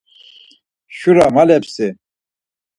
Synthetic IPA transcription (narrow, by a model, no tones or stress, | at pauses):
ʃuɾamalɛpsi